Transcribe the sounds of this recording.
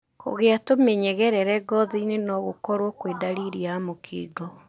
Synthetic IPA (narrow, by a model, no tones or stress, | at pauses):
kʰo̰ɣeatomeɲɛɣɛɾɛɾɛɡɔðiinenɔɣokɔɾwɔkweːdaɾiɾiamokʰḭːɡɔ